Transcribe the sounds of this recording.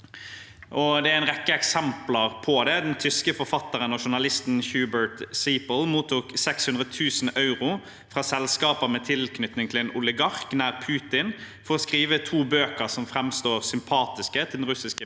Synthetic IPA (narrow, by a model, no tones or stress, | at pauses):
ʔɔd̪ɛææɪnʁɛkːəɛksɛmpləʁpʰɔd̪ɛd̪ɛnt̪ʰʏskəfɔʁfɑt̪ːəʁənɔʃʊɳɑlɪst̪nhjʉːbəɹt̪siːpəl̩muːt̪ʰuːksɛkshʉnʁət̪ʰʉːsn̩ɑʉʁʊ | fʁɑːsɛlskɑːpəmɛt̪ʰɪlkʰnʏt̪nɪŋt̪ʰɪɛnʔʊlɪɡɑʁknæːʁpʰʉːt̪ɪn | fɔʁɔskʁiːʋət̪ʰuːbøːkəʁsɔmfɾɛmst̪oːʁsʏmpʰɑːt̪ɪskət̪ʰɪld̪n̩ʁʉsɪskə